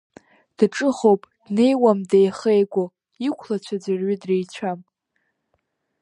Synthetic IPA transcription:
d̥ʈ͡ʂʼɨχo̞wpʼd̥ne̞jwamdejχejɡʷo | ikʷʰlat͡ɕʷʰad͡zɨrɥɪdrejt͡ɕʷʰam

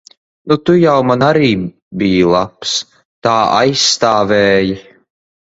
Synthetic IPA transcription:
nut̪ujawmanaɾiː | bijlˠaps | t̪aːʔa̰jsːt̪aːvɛːjɨ

